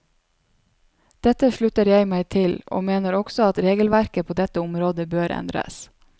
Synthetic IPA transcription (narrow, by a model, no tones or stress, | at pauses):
d̪̥ɛt̪əʃɭʉt̪əɾjæɪmæɪt̪ʰɪlo̰ːmeːnəɾɔɡ̥sɔɑt̪ɾeːɡəl̩ʋæɾkəpʰoːd̪ɛt̪əʊmɾoːd̪əbøːɾɛ̰nd̪ɾə̰s